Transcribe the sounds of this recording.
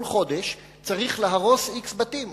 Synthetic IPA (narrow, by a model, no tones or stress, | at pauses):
lχo̞deʃ | t͡saʁiχleɦaʁo̞siksbatim